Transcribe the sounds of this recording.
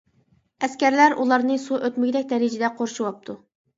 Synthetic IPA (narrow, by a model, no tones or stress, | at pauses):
ɛskʲɛɾlæɾulˠɑɾnɨsuʔøt̪mɪɡʲɪd̪ɛkʲd̪ɛɾɪd͡ʒɪd̪ɛqʰoɾʃuwɑp̚t̪ʰu